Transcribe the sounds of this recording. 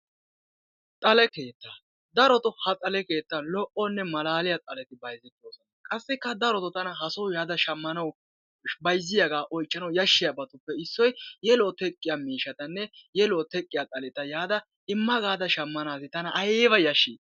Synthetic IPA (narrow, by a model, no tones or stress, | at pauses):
t̪ʼɐlɛke̞ːt̪ːa | d̪ɐɾɔt̪ɔhɐt̪ʼɐlɛke̞ːt̪ːɐlɔʔɔnːɛmɐlaːlɪjat̪ʼɐlɛt̪ɪbɐjzɪkːoːsɔnɐkʼɐsːɪkːɐd̪ɐɾɔt̪ɔt̪ɐnɐɦɐsɔwjaːd̪ɐʃɐmːɐnɐw | bɐjzːɪjaɡaːʔɔjt͡ʃʼːɐnɐwjɐʃːɪjabɐt̪ʊpːɛɪsːɔjjɛlɔːt̪ɛkʼːɪjamiːʃɐt̪ɐnːɛjɛloːt̪ɛkʼːɪjaːt̪ʼɐlɛt̪ɐjaːd̪ɐ | ɪmːɐɡaːd̪ɐʃɐmːɐnaːsɪt̪ɐnɐʔɐjeːbɐjɐʃːɪ